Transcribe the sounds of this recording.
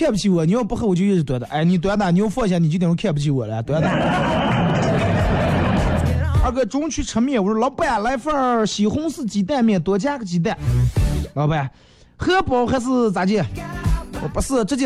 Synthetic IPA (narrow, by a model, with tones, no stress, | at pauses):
kʰjɛ˥˧pu˧t͡ɕʰi˧˥wɔ˧˩ni˨˥jo˥˧ʊpu˥xwɔ˨˩t͡ɕjo˥˧i˥˧˩ʂɻ̩˧t̪wɛ˧˥d̪ə˧ʔa˧˩ɪni˨˩t̪wɛ˧˥d̪ni˨˥jo˥˧ʊfwɔ˥˩˧ɕja˧ni˨t͡ɕ̪kʰɛ˥˧˩pu˧t͡ɕʰi˧˥wɔ˨˩lə˦ja˧wɛ˧˥d̪a˧˥˧a˥˧˩ɡə˧ʈ͡ʂʊ˥ŋt͡ɕʰy˧˥ʈ͡ʂʰə˧˥mjɛ˥˩wɔ˨˩ʂlɑ˧˥ʊpa˥˧˥ja˧˩la˧˥ɪfa˥˩ɕi˨˩xʊ˥ŋsɹ̩˥˩t͡ɕi˧˥t̪a˥˧nmjɛ˥˩nt̪wɔ˧˥t͡ɕja˥ɡə˧t͡ɕi˧˥t̪a˥˩n | lɑ˧ʊpə˧ja˨˩ | xɤ˥pɔ˧˥ʊxa˧˥ɪsɹ̩˥˩t͡sa˧˥t͡ɕjɛ˥˩ | ɔ˧˩pu˧˥sɹ̩˥˩ʈ͡ʂɤ˥˧t͡ɕ